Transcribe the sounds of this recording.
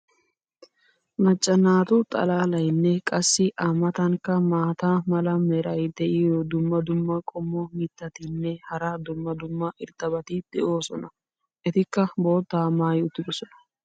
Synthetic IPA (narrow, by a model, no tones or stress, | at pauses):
mɐt͡ʃʼːɐnaːt̪ʊt̪ʼɐ̰laːlɐjnːɛkʼɐsːɪʔamɐt̪ɐŋkːɐmaːt̪aːmɐlɐmɛɾɐjd̪ɛʔɪɔd̪ʊmːɐd̪ʊmːɐkʼɔmːɔmiːt̪ːɐt̪ɪnːɛhɐɾad̪ʊmːɐd̪ʊmːɐʔɪɾt̪ːɐbɐt̪ɪd̪̥ɛʔo̞ːsɔnɐ | ʔɛt̪ɪkːɐbo̞ːt̪ːaːmaːjʊt̪ːɪɡ̪ɔsɔnɐ̥